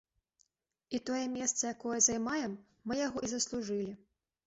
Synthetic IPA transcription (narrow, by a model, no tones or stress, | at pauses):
it̪ɔjɛmʲɛst̪sɐjakɔjɛzɐjmajɛmː | ɨjaɣɔʔizɐslˠuʐɨlʲi